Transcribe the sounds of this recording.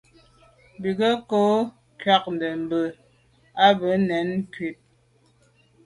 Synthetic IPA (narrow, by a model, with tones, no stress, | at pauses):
bi˨ɡə˦ko˦ | kɥa˦˨k̚n̩˨də˨m̩˨bə˨ | a˦bə˨˦nɛ˨˦n˦kɥi˨t̚